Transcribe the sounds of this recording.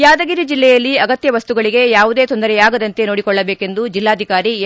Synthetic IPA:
jaːd̪ɐɡiɾid͡ʒilːɛjɐlːiɐɡɐt̪jɐʋɐst̪uɡɐɭiɡe̞jaːʋud̪eːt̪ond̪ɐɾɛjaːɡɐd̪ɐnt̪e̞no̞ːɽikɔɭːɐbeːke̞nd̪ud͡ʒilːaːd̪ʱikaːɾi

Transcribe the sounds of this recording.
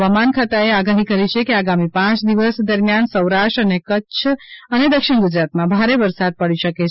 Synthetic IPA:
ʋamankʰat̪aeaɡaɦikəɾit͡ʃʰekiaɡamipãt͡ʃd̪iʋəsd̪əɾmjansəwɾaʃʈɾənekətːt͡ʃʰəned̪əkʃiɽ̃ɡud͡ʒɾat̪mãbʱaɾeʋəɾsad̪̚pəɽisəket͡ʃʰ

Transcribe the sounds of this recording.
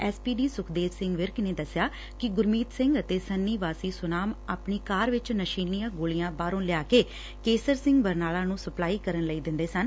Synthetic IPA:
ɛːspiːɖiːsʊkʰd̪eːssɪ̃ŋɡʋɪɾkneːd̪əsɪjaː | kɪɡʊɾmiːt̪sɪ̃ŋɡət̪eːsənːiːʋaːsiːsʊnaːmaːpɳiːkaːɾʋɪt͡ʃnəʃiːnːijãːɡoːlijãːbaːɾõːlɪjaːkeː | keːsəɾsɪ̃ŋɡbəɾnaːlãːnũːsəplaːiːkəɾənləiːd̪ɪ̃nd̪eːsən

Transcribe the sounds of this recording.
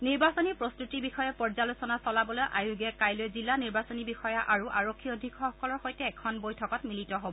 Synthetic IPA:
niɹbasɔnipɹɔstutibixɔjapɔɹzalusɔnasɔlabɔlojʔa̰juɡɛkajlojzilːaniɹbasɔnibixɔjaʔaɹuʔaɹɔkʰːiodʱikʰːɔxɔkɔlɔɹxojtɛːkʰɔnbojtʰɔkɔtmilitɔɦobɔ

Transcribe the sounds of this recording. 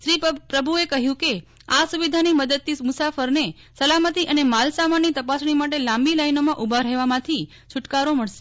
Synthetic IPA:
ʃɾipɾəbʱuekəɦjũke | asuʋid̪ʱaniməd̪əd̪̚t̪imʊsafəɾne | səlamət̪iʔənemalsamanːit̪əpasɳ̃imaʈ̬elãmbilajnomãʔubʱaɾɛʋamãt̪ʰi | t͡ʃʰʊʈkaɾoməɭʃe̥

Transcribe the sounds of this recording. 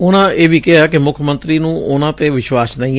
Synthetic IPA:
ʊnãːeːʋiːkɪɦaːkɪmʊkʰəmə̃nt̪ɾiːnũːʊnãːt̪eːʋɪʃwaːsnə̃ĩː

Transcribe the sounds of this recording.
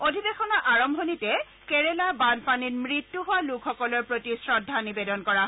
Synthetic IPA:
odʱibexɔnaʔaɹɔmbʱonitɛ | kɛɹɛlabanpaninmɹitːuɦʊwalukʰxɔkɔlɔɹpɹotisɹɔdʱːanibedɔnkɔɹa

